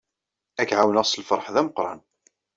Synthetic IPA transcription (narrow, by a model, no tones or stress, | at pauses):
ækʕawnæʁsəlfəɾˤħðæməqɾˤɑ̰n